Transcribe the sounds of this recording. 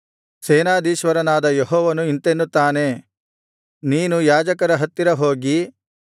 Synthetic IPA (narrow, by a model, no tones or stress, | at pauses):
seːnaːd̪iːʃʋɐɾɐnaːd̪ɐjeɦɔːʋɐnuint̪enːut̪ːaːne̞ | niːnujaːd͡ʒɐkɐɾɐɦɐt̪ːiɾɐɦo̞ːɡi